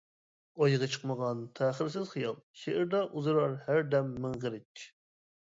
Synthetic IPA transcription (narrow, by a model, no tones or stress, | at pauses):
ojɨʁɑt͡ʃʰə̥qməʁɑnt̪ʰæːχəɾsɪzχijɑlˠʃeʔɪɾd̪ɑʔuzɨɾɑɾhæɾd̪ɛmːɪŋʁəɾɪt͡ʃ